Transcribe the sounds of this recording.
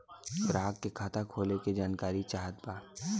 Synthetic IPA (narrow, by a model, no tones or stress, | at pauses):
ɡɾaːkːekʰaːt̪ʰakʰoːleked͡ʒaːnkaːɾit͡ʃaːɦət̪̚baː